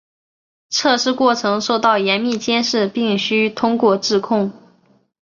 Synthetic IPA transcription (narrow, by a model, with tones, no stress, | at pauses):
ʈ͡ʂʰɤ˥˧ʂɻ̩˥˧kwɔ˥˩ʈ͡ʂʰɤ˧˥ŋʂo˥˧ʊt̪ɑ˥˩ʊjɛ˧˥nmi˥˩t͡ɕjɛ˥nʂɻ̩˥˧pi˥˩ŋɕy˥t̪ʰʊ˥ŋkwɔ˥˧ʈ͡ʂɻ̩˥˧kʰʊ˥˩ŋ